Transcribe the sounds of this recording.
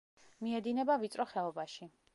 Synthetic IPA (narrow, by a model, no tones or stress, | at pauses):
miɛd̪inɛbavit̪sʼɾʔɔχɛɔbaʃi